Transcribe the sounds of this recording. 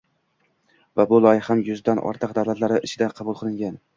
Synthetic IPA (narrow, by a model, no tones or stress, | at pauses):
vabʊlˠɒjɪhamjʊzd̪anʔɒ̰ɾt̪ʰɨq̚d̪awlat̪laɾɪʔɪt͡ʃʰɪd̪aqʰɑbʊlˠqʰɨlˠɪŋɡʲan